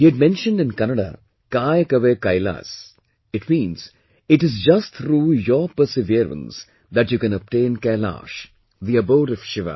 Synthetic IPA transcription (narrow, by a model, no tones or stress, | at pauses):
hiːæɖ̚mɛ̃nʃə̃nɖɪ̃nkænəɖa̰ | kaːjkəʋekaɪla̰s | ɪʈmĩːnz̥ | ɪʈɪzd͡ʒʌsʈt̪ʰɾuːjɔɾpəɾsɪʋiəɾə̰̃ns | d̪æʈjuːkɛ̃nəp̚ʈẽːnkɛla̰ːʃ | ðiəboʊɖɔʋʃɪʋə̰